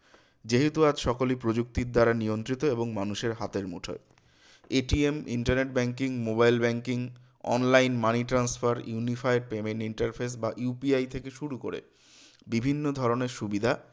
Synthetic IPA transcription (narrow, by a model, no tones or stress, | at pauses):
d͡ʑeɦet̪uad͡ʑʃɔkolipɾod͡ʑuk̚t̪iɾd̪aɾaniont̪ɾit̪oeboŋmanuʃeɾɦat̪eɾmṵʈʰo̰e | eʈiemḭɳʈaɾneʈ̚bɛŋkiŋmobajlbɛŋkiŋ | ɔ̰nlajnmaniʈɾansfaɾjunifajɖ̚pemeɳʈiɳʈaɾfʰes̬baʔupiajt̪ʰekeʃuɾuko̰ɾḛ | bibʱinːod̪ʱɔɾoneɾʃubid̪ʱa